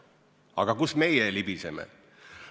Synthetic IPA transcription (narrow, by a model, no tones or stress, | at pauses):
ɑɡ̥ɑkusme̞jelibisemḛ